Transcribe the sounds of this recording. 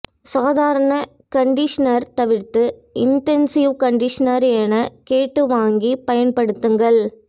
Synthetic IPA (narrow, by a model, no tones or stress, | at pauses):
saːðaːɾɐɳɐ | kɐɳɖɪʂɐnɐɾt̪ɐʋɪɾt̪ːɯɪnʈɛnsɪʋkɐɳɖɪʂɐnɐɾeːnɐkeːʈːɯʋaːŋɡipɐjɐnpɐɽɯt̪ːɯŋɡɐɭ